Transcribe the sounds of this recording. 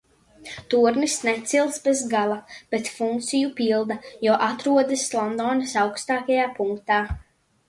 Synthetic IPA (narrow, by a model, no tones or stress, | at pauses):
t̪uɾnisnɛt̪silˠsbɛzɡalˠab̥et̪fuŋkt̪sijupilˠd̪ajɔːʔat̪ɾuɔd̪ɨslˠɔnd̪ɔːnasawkst̪aːkajaːpuŋk̚t̪aː